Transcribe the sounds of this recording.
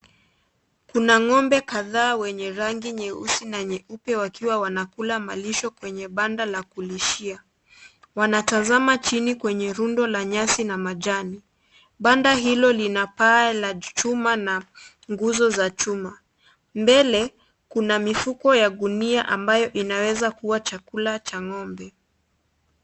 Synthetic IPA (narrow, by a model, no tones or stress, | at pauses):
kunaŋɔmbɛkaðaːwɛɲɛɾaŋɡiɲɛṵsinaɲɛupɛwakiwawanakulamaliʃɔkwɛɲɛɓandalakuliʃia | wanatazamat͡ʃinikwɛɲɛɾundɔlaɲasinamaʄani | ɓandaɦilɔlinapaɛlat͡ʃumana | ŋɡuzɔzat͡ʃuma | mbɛlɛ | kunamifukɔjaɡuniaʔambajɔʔinawɛzakuwat͡ʃakulat͡ʃaŋɔmbɛ